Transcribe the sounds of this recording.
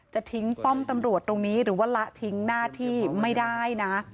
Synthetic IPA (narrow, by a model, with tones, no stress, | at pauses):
t͡ɕa˨˩ʔt̪ʰi˦˥ŋt̪ɔ˥˩mt̪a˧mɾu˨˩ət̪ːɾo˧ŋniː˦˥ɾɯː˩˦waː˥˩la˦˥t̪ʰi˦˥ŋnaː˥˩t̪ʰiː˥˩ma˥˩jda˥˩jna˦˥ʔ